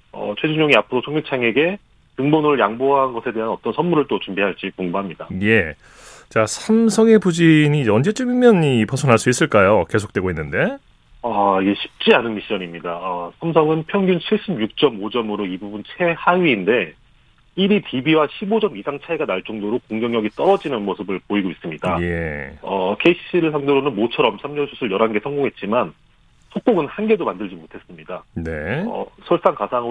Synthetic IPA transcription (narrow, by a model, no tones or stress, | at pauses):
ʌ̰t͡ɕʰwe̞d͡ʑuɲoŋiapʰɯɾotʰoŋit͡ɕʰaŋe̞ɡe̞ | tɯŋbonoɾɯɭjaŋboɦanɡʌsʰe̞de̞ɦanʌt͈ʌnsʰʌnmuɾɯɭt͈ot͡ɕumbiɦaɭt͡ɕ͈ikoŋbuɦamɲidaje̞ | t͡ɕasʰamsʰʌŋe̞pud͡ʑiɲiːd͡ʑeʌnd͡ʑe̞t͡ɕ͈umimjʌnipʌsʰʌnɦaɭs͈uis͈ɯɭk͈ajoke̞sʰok̚t͈we̞ɡoinːɯnde̞ | aiɡe̞ɕʰi̥p̚t͡ɕ͈ianɯnmiɕ͈ʌɲimɲidaasʰamsʰʌŋɯnpʰjʌŋɡʲunt͡ɕʰiɭɕ͈ibjuk̚t͡ɕ͈ʌmod͡ʑʌmɯɾoibubunt͡ɕʰe̞haɥiːnde̞ | iɾitʰibiwaɕʰibod͡ʑʌmisʰaŋt͡ɕʰaiɡanaɭt͡ɕ͈oŋdoɾokoŋɡjʌŋjʌɡit͈ʌɾʌd͡ʑinɯnmosʰɯbɯɭpoiɡois͈ɯmɲidajeʌkʰe̞iɕʰi̥ɕʰiɾɯɭsʰaŋdoɾonɯnmot͡ɕʰʌɾʌmsʰamɲʌnsʰusʰɯɭjʌɾɦanɡe̞sʰʌŋɡoŋɦe̞t̚t͡ɕ͈iman | sʰok̚k͈oɡɯnhanɡe̞domandɯɭd͡ʑimotʰe̞s͈ɯmɲidaneʌ̰sʰʌɭs͈aŋkasʰaŋɯ